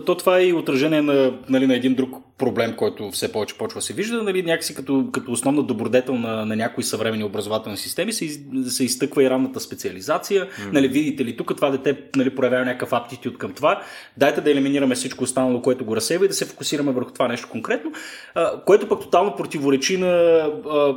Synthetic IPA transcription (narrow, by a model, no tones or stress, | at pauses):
t̪ɔt̪ovaɛiot̪ɾɐʒɛniɛnɐnɐlinɐɛd̪ind̪ɾuk | pɾoblɛmkɔjt̪ʊfsɛpɔvɛt͡ʃɛ̥pɔvɛt͡ʃvəsɛviʒd̪ənɐlinʲakə̥sikɐt̪ɔkɐt̪oːsnɔvnəd̪obɾʊd̪ɛt̪ɛlˠnɐnɐnʲakoisɐvɾɛmɛniobɾɐzovat̪ɛlˠnisist̪ɛmisɛsɛist̪ɤkvəiɾavnət̪əspɛt̪siɐlizat̪sijənɐlivid̪it̪ɛlit̪ukːət̪ovad̪ɛt̪ɛnɐlipɾojɐvjavɐnʲakkəfapt̪it̪ʲiot̪kɐmt̪ovad̪ajt̪ɛd̪ɐɛliminiɾɐmɛfsit͡ʃkoːst̪anɐlˠokoɛt̪ʊɡoɾɐsɛjvəid̪ɐsɛfo̥kusiɾɐmɛvəɾxo̥t̪ovanɛʃt̪o̥koŋkɾɛt̪no | koɛt̪ʊpək̚t̪o̥t̪alˠnopɾot̪ivoɾɛt͡ʃinɐ